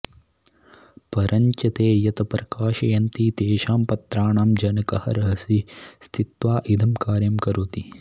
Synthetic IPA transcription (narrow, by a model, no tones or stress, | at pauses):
pɐɾʔɐɲt͡ʃɐt̪eːjɐt̪ɐpɾɐkaːʃɐjɐnt̪it̪eːʃaːmpɐt̪ɾaːɳaːmd͡ʒɐnɐkɐhɐ̰ɾɐɦɐsist̪ʰit̪ʋaːʔid̪ʱɐmkaːɾjɐmkɐɾoːt̪i